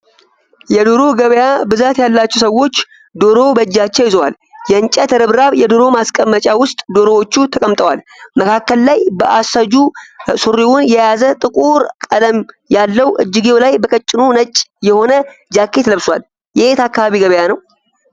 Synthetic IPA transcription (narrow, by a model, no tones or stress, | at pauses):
jɛd̪oɾoɡəβəjabɨzat̪jalːat͡ʃːɛwsəwːo̞t͡ʃː | d̪o̞ɾo̞bəd͡ʒːat͡ʃːɛwjɪzəwal | jɛɨnt͡ʃʼɛt̪ʰɨɾɨβɾaβjɛd̪o̞ɾo̞maskʼəmːət͡ʃʼawʊst̪ʼd̪oɾo̞wot͡ʃːut̪ʰəkʼəmt̪ʼəwal | məkʰakːəllajbəʔasad͡ʒusuɾiwunjɛjazət̪ʼɨkʼuɾkʼələm | jalːəwʔɨd͡ʒːɪɡewlajbəkʼət͡ʃʼːɪnunət͡ʃʼːjɛho̞nəd͡ʒakːe̞t̪ləβswal | jɛet̪ʰakːaβaβiɡəβəjanəw